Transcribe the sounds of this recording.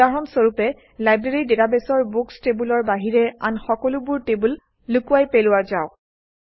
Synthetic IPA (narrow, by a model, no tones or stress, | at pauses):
aɹɔmsoɹupɛ | lajbɹeɹidetabesɔɹbukstebulɔɹbaɦiɹɛa̰nxɔkɔlubuɹtebulː | ukuwajpelʊwazaʊ